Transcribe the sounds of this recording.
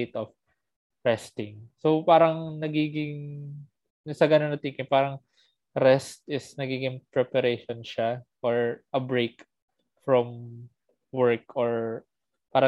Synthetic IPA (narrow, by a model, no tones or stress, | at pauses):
t̪ɔf | ɹɛst̪ɪŋsopaːɾɐŋnɐɡiːɡɪŋ | nɪsɐɡɐnonɐt̪iːkɪpaːɾɐŋ | ɾɛst̪̚ʔɪsnɐɡiːɡɪŋpɾɛpɐɾeːʃonʃafɔɹʔɐbɹek | fɹɔm | wɛɹkɔɹ | paːɾɐ